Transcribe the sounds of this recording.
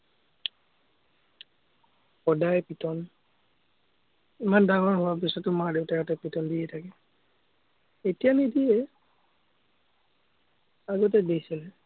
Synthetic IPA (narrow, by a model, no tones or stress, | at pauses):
xɔdajpitɔn | imandaŋɔɹɦʊwabisɔtʊmaɹdewtakatɛpitɔndijɛtʰakɛ | etijanidijɛ | aɡɔt̬ɛdejsilɛ